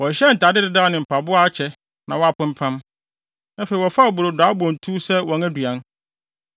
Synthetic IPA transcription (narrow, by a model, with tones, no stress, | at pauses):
wɔ̃˨ɕɛ˦n̩˨tʰa˨dɪ˦dɪ˦da˦˨nɪ̃˨m̩˨pʰa˨bʊ˦a˦a˨˦t͡ɕʰɛ˨ | nã˨wɔ˦a˨pʰʊ̃˦m̩˦pʰã˦m | æ˦fe˨i˨wɔ˨fa˦ɔ˨bʊ˨ɾo˨daː˨˦bɔ̃˨n˨tʰu˦sɛ˦wɔ̃˨ŋæ˦du˨ã˦n